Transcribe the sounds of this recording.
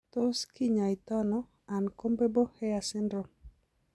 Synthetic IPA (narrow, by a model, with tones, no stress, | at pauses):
t̪o˦ski˦ɲa˨i˨t̪ɔ˦nɔ˦ | a˨nko˦mbe˦bo˦hɛ˦ja˨sɪ˦ndɾo˨